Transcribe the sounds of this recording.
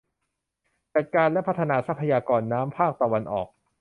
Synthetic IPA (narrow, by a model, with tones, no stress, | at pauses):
t͡ɕa˨˩t̪̚kaː˧nlɛ˦˥pʰa˦˥t̪ʰa˧naː˧˩sa˦˥pʰːa˧jaː˧kɔː˧nːaː˦˥mpʰaː˥˩k̚t̪a˧wa˧nʔɔ̰ː˨˩k̚